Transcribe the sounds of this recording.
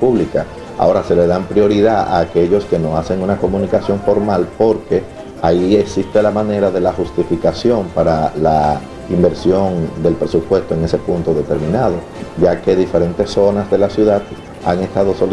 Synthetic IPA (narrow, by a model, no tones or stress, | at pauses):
uβlika | a̰o̞ɾase̞le̞ðampɾjo̞ɾiðaa̰ːke̞ʝo̞ske̞no̞ase̞ŋunako̞munikasjo̞ɱfo̞ɾmalpo̞ɾke̞ | aie̞ksist̪e̞lamãne̞ɾaðe̞laxust̪ifikasjo̞mpaɾala | imbe̞ɾsjo̞nd̪e̞lpɾe̞supwe̞st̪o̞e̞ŋe̞se̞punt̪o̞ðe̞t̪e̞ɾmĩnaðo̞ | ʝake̞ðife̞ɾe̞nt̪e̞sːo̞nasðe̞lasjuðað | aŋe̞st̪aðo̞so̞l